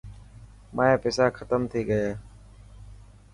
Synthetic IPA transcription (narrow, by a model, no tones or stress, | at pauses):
mʔaːeːpeːsaːkʰət̪əmt̪ʰiːɡəjaː